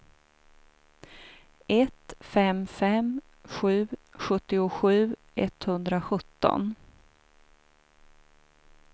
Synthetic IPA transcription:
ɛt̪fɛmfɛm | ɧʉ̟ːɧɵt̪ːɪʊɧʉ̟ːʔɛt̪hɵnd̪ɾaɧɵt̪ːɔ̰n

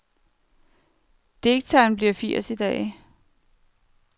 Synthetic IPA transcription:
d̥eɡ̥̚t͡sʰæɪnb̥liɐ̰fiɐ̰sid̥ɛ̰ː

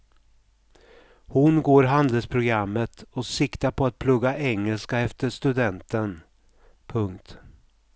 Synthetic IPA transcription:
hʊnɡoːɾɦand̪əlspʰɾʊɡɾamːət̪ɔsɪkt̪aɾpʰɔat̪̚pʰlɵɡːaʔɛŋːəlskaɛft̪əʂt̪ɵd̪ɛnt̪ən | pʰɵŋkt̪

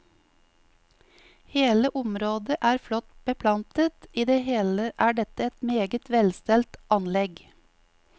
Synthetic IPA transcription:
heːləʔʊmɾoːd̪əʔæːɾflɔt̪b̥əpʰlɑnt̪ət̪iːd̪eːheːləʔæːɖɛt̪əɛt̪meːɡət̪ʋɛlst̪ɛlt̪ʔɑnlɛɡ

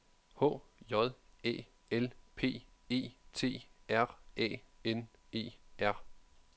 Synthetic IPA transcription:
hɔ̰̽ːjɒ̽ðˠḛː | elpʰe̝̰ːe̝̰ːt͡sʰe̝̰ːæɐ̰ɛ̰ːen | e̝̰ːæɐ̰

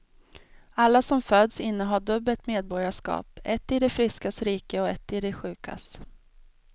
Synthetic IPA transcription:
alːasɔmføːd̪sɪnːəɦaɖɵbːəlt̪meːd̪̚bɔɾjaʂkɑ̰ːpɛt̪ːɪd̪ɛfɾɪskasɾiːkəɔɛt̪ːɪd̪ɛɧʉ̟ːkʰa̰s

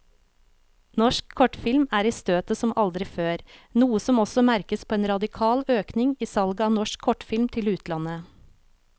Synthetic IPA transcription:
nɔʃkʰːɔʈfɪlmæːɾiːst̪øːt̪əsɔmʔɑld̪ɾɪføːɾnuːəsɔmɔsɔmæɾkəspʰoːeːnɾɑd̪ɪkʰɑːløːknɪŋiːsɑlɡəɑːnɔʃkʰːɔʈfɪlmt̪ʰɪlʉːt̪ʰlɑnə

